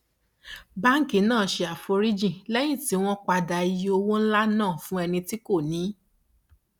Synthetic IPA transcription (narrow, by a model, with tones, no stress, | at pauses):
ba˦ŋ̩˦ki˨˦nãː˦˨ʃe˧a˨fo˧˦ɾi˦d͡ʒĩ˦˨lɛ˦j̃ĩ˦˨ti˨˦w̃ɔ̃˦k͡pa˧da˨i˧jo˧wo˦n̩˦la˦nãː˦˨fũ˦ɛ˧nĩ˧ti˦ko˦˨nĩ˨˦